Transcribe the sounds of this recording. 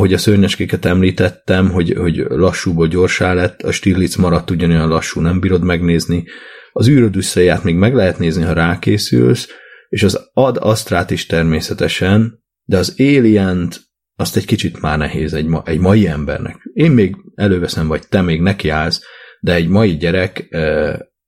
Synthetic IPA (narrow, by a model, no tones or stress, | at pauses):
ho̞ɟɒsørɲɛt͡ʃkekɛt̪ɛmliːt̪ɛt̪ːɛmɦo̞ɟho̞ɟlɒʃːuːboːlɟo̞rʃaːlɛt̪ːɒʃt̪iːrlit̪smɒɾɒt̪ːuɟːɒnojɒnlɒʃːuːnɛmbiːɾo̞d̪mɛɡneːzniɒzyːɾød̪ysːeːjaːt̪meːɡmɛɡlɛɦɛt̪neːzniɦɒɾaːkeːsy̰lseːʃɒzɒd̪ɒ̰st̪raːt̪iʃt̪ɛrmeːsɛt̪ɛʃɛn | d̪ɛɒzeːlijɛnt̪ | ɒst̪ɛckit͡ʃit̪maːrnɛɦeːzɛɟmɒʔɛɟmɒjiɛmbɛ̰rnɛ̰keːmːeːɡɛløːvɛsɛmvɒɟt̪ɛmeːɡnɛkiaːlzd̪ɛɛɟmɒjiɟɛɾɛkː